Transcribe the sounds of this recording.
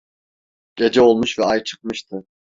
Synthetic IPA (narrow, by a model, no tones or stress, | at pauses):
ɟ̥e̞d͡ʒɛo̞lˠmuʃvɛajt͡ʃʰɯ̥k̚mɯʃt̪ʰɯ